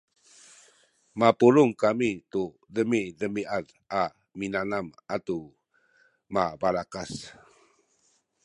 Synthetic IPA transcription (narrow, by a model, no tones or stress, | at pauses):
mapuɾuŋkamitu | dəmidəmiʔað | a | minanamatu | mabaɾakas